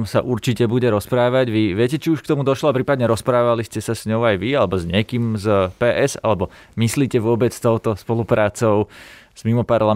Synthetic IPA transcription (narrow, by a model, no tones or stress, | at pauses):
msa̰ʔuɾt͡ʃicɛbuɟɛɾɔspɾaːʋaɟʋiʋɪɛcɛt͡ʃiuʃkt̪ɔmud̪ɔʃlɔapɾiːpad̪ɲɛɾɔspɾaːʋaliscɛsasɲɔʊajʋialɛbɔzɲɪɛkiːmzpɛːʔɛza̰lɛbɔ | misliːcɛʋʊɔbɛt͡st̪ɔʊt̪ɔspɔlupɾaːt͡sɔʊz̥mimɔpaɾla